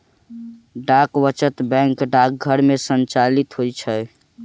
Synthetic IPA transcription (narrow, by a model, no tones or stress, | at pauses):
ɖakwət͡ʃət̪bɛ̃ŋkɖak̚ɡʱəɾmesənt͡ʃalit̪ɦojt͡ʃʰə